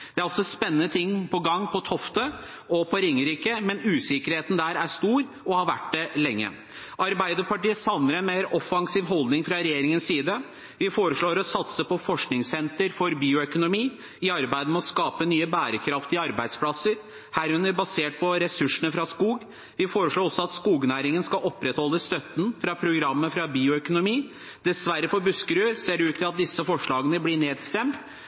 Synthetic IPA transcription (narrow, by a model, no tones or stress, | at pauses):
d̪̥ɛæɾɔsɔspɛnːənət̪ʰɪŋːpʰɔɡɑŋːpʰɔt̪ʰɔft̪ə | ɔpʰɔɾɪŋːəɾiːkəmɛnʉːsɪkəɾheːt̪n̩d̪æːɾæʂt̪uːɾ | ɔhɑɾʋæʈd̪ɛlɛŋːə̰ | ʔɑɾbæɪd̪əpɑʈiːəsɑʋnəɾɛnmeɪɾɔfːɑŋsiːʋɦɔld̪nɪŋfɾɑɾɛjeːɾɪŋənsiːd̪ə | ʋɪfoːɾəʂɭoːɾɔsɑt̪səpɔfɔʂknɪŋsɛnt̪əɾfɔɾbiːʊœkʊnʊmiː | ɪɑɾbæɪd̪əmɛɔskɑːpənyːəbæːɾəkʰɾɑft̪ɪɑɾbæɪd̪spʰlɑsəɾ | hæːɾʉnəɾbɑseːʈ̚pʰɔɾɛsʉʂənəfɾɑskuːɡ | ʋɪfoːɾəʂɭoːɾɔsːɔɑt̪skuːɡnæːɾɪŋənskɑʔɔpːɾɛt̪hɔlːəst̪œt̪ːən̩fɾɑpʰɾʊɡɾɑmːəfɾɑbiːʊœkʊnʊmiː | d̪̥ɛsʋæɾːəfɔbʉskəɾʉːseːɾʉːt̪ʰːɪlɑt̪̚d̪ɪsːəfɔʂɭɑːɡənəblɪɳeːd̪st̪ɛmt̪